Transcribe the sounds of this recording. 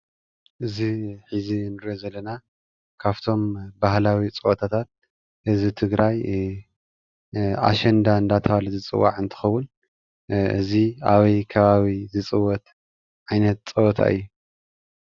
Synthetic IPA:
ʔɨziħizinɨɾiozɐlːɐna | kʰaβt̪ʰo̞mbahlawit͡sʼɨwɔt̪ʰat̪ʰat̪̚ | ʔɨzit̪ʰɨɡɾaj | a̰ʃɛnd̪aɨnd̪at̪ʰɐβalɨzɨt͡sʼɨ̰wːa̰ʕɨnt̪ʰɨ̥xɐwːʊn | ɨ̰zia̰βɐjkʰɐβaβizɨt͡sʼɨwːɔt̪ | ʕajnɐt̪̚t͡sʼɐwɔt̪ʰa̰ʔɨ̰jːu

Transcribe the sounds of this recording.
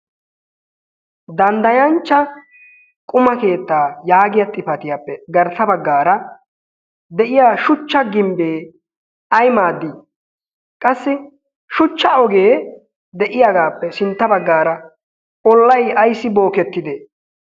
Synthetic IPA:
d̪ɐnd̪ɐjɐnt͡ʃːɐ | kʼʊmɐke̞ːt̪ːaːjaːɡɪjɐt̪ʼːɪfɐt̪ɪjaːpːɛɡɐɾt̪ːɐbɐɡːaːɾɐ | d̪ɛʔɪjaːʃʊt͡ʃːɐɡɪmbeː | ɐjmaːd̪ːi | kʼɐsːɪ | ʃʊt͡ʃːɐɔɡeː | d̪ɛʔɪjaɡaːpːɛsɪnt̪ːɐbɐɡːaːɾɐ | ɔlːɐjɐjsːɪbo̞ːkɛt̪ːɪd̪eː

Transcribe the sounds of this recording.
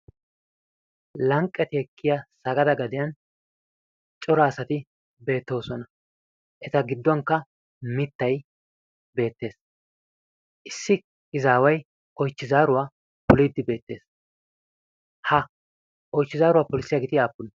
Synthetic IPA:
lɐŋkʼːɛt̪ɪhɛkʰːɪjasɐɡɐd̪ɐɡɐd̪ɪjɐn | t͡ʃʼɔɾɐːsɐt̪ɪ | be̞ːt̪ːo̞ːsɔnɐ | ʔɛt̪ɐɡɪd̪ːɔŋkːɐ | mɪt̪ːɐj | be̞ːt̪ːe̞ːs | ʔɪsːɪ | ɪzaːwɐj | ʔɔjt͡ʃːɪzaːɾʊwaː | pʊlid̪ːɪbe̞ːt̪ːe̞ːs | hɐ | ʔɔjt͡ʃːɪzaːɾʊwaːpɔlɪsːɪjaɡɪt̪ɪaːpːʊn

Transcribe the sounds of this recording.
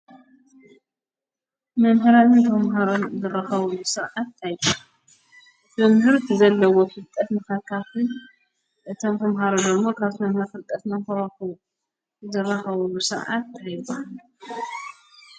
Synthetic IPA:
mɐmɦɨɾanɨnt̪ʰɐmɦaɾo̞nzɨrɐxɐβɐlusɨɾʕat̪ːajbu | mɐmhɨɾt̪ʰɨzɐlːɐwofɨlt̪ʼɐt̪nɨxakʰatɨ | ʔɨt̪ʰomt̪ʰɐmɦaɾod̪ɐmːokʰaβt̪ɐmhɨɾfɨlt̪ʼɐt̪mɐmhɨɾoxu | zɨrːɐxɐβɐlusɨɾʕa̰t̪ːhiβal

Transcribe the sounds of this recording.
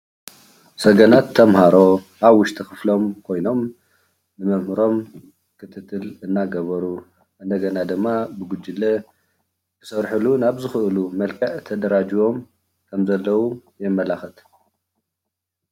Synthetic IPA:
sɐɡɐnat̪ʰːɐmhaɾo̞ | aβwʊʃt̪ʰixɨflo̞mkʰo̞jno̞m | nɨmɐmhɨɾo̞m | kʰɨt̪ʰɨt̪ʰːɨlɨnːaɡɐβɐɾu | ʔɨnd̪ɐɡɐnad̪ɨmːabɨɡud͡ʒilːɐ | kʰɨsɐɾħɨlunaβzɨxɨʔɨlumɐlkʰɐʕt̪ʰɐd̪ɐɾad͡ʒiwo̞m | kʰɐmzɐlːɐwujɛmːɐlaxɐt̪

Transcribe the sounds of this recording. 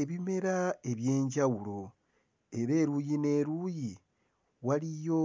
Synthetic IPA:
eβime̞ɾae̞βje̞ːɲɟawulo̞ | e̞ɾe̞ːɾujine̞ːɾuji | walijo̞

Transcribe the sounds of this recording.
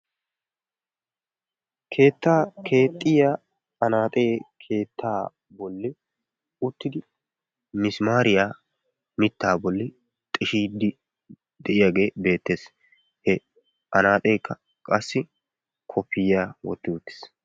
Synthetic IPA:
kʰe̞ːt̪ːaːkʰe̞ːt̪ʼːɪjaː | ɐnaːt̪ʼe̞ːkʰe̞ːt̪ːaː | bɔlːɪ | ʊt̪ːɪd̪ɪ | mɪsmaːɾɪjaː | mɪt̪ːaːbɔlːɪ | t̪ʼɛʃiːd̪ɪ | d̪ɛʔɪjaːɡe̞ːbe̞ːt̪ːe̞ːs | hɛ | ʔɐnaːt̪ʼe̞ːkːɐ | kʼɐsːɪ | kʰɔpːɪjaːwɔ̰t̪ːɪʊt̪ːɪ̥s

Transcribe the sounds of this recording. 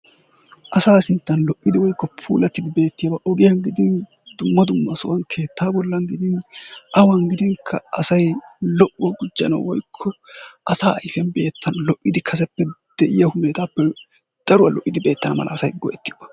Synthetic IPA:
ʔɐsaːsɪnt̪ːɐnlɔʔːɪd̪ɪwɔjkːɔpʰṵːlɐt̪ːɪd̪ɪbe̞ːt̪ːɪjɐbɐʔɔɡɪjɐŋɡɪd̪ɪn | d̪̥ʊmːɐd̪ʊmːɐsɔwɐnkʰe̞ːt̪ːaːbɔlːɐŋɡɪd̪ɪnʔɐwɐŋɡɪd̪ɪŋkʰːɐɐ̰sɐjlɔʔɔɡʊd͡ʒːɐ̰nɐ̰wɔjkʰːɔʔɐsaːʔɐjfɛnbe̞ːt̪ːɐnlɔʔːɪd̪ɪkʰɐs̬ɛpːɛd̪̥ɛʔɪjɐhʊmeːt̪aːpːɛ | d̪̥ɐɾʊwɐlɔʔːɪd̪ɪbe̞ːt̪ːɐnɐmɐ̰lʔɐ̰ːsɐjɡɔʔɛt̪ːɪjobɐ̥

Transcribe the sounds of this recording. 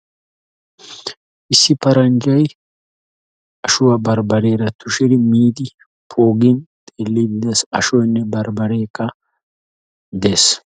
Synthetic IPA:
ʔɪsːɪpɐɾɐnd͡ʒɐj | ɐʃʊwɐbɐɾbɐɾe̞ːɾɐt̪ʊʃɪd̪ɪmiːd̪ɪ | pʰo̞ːɡɪnt̪ʼeːlːid̪ɪd̪esɐ̰ʃɔjnːɛbɐɾbɐɾeːkːɐ | d̪e̞ːs

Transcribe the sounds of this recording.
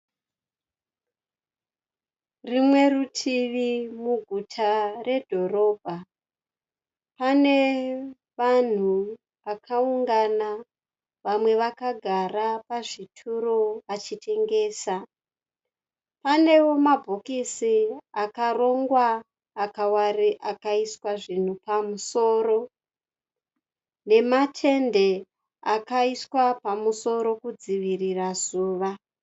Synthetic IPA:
rimwe̞rutʰiʋimuɡʱutʰare̞dʱo̞ro̞ːbʱa | pane̞ | ʋan̤u | ʋakʰauŋɡana | ʋamwe̞ʋakaɡʱarapaʐitʰuɾoʋat͡ʃite̞ŋɡe̞ːsa | pane̞wo̞mabʱokisiakaro̞ŋɡwaː | kawariʔakaiswaʐin̤upamuso̞ːɾo̞ | ne̞matʰe̞nde̞ | akaiswapamuso̞ɾo̞kud͡ziʋirirazuːʋa

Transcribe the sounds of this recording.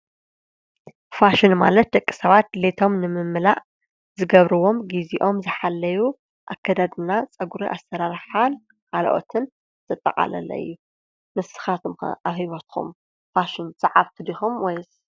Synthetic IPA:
faʃɪnma̰lɐt̪̚d̪ɐkʼːi̥sɐβat̪̚let̪ʰo̞mnɨmɨmːɨlaʔ | zɨɡɐβɾɨwo̞mɡiziʔo̞mzɨħalːɐju | ʔakʰːɐd̪ad̪ɨnat͡sʼɐɡuɾiʔasːɐɾaɾħal | kʰal̰ʔo̰t̪ʰɨn | t̪ʰɨt̪ʼːɐqʼa̰lɐ̰lɐ̰ɨ̰jːu | mɨssɨ̥xat̪ʰom̰aβhiβot̪xʰṵm | faʃɪnt͡sʼɐʕaβt̪ʰɨd̪ixumwɔjz

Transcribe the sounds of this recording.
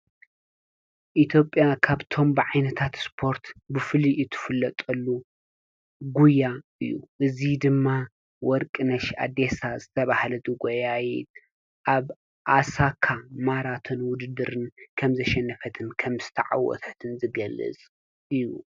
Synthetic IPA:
ʔit̪ʰjo̞pʼːjakʰaβt̪ʰo̞mbɨʕajnɐt̪ʰat̪spʰo̞ɾt̪bɨfɨliɨt̪ʰɨ̥fɨlːɐt̪ʼɐlːu | ɡujaɨjːṵʔɨzid̪ɨmːa | wɔɾkʼɨnɐʃa̰d̪e̞sazɨt̪ʰɐβahlɐt̪ɨɡojajit̪ | ʔaβ | ʔasakʰːamaɾat̪ʰonwʊd̪ɨd̪ɨɾɨnkʰɐmzɐʃɛnːɐfɐt̪ʰɨnkʰɐmzɨ̥t̪ʰɐʕa̰wɔ̰t̪ʰt̪ʰɨnzɨɡɐlːɨ̰t͡sʼ | ɨjːu

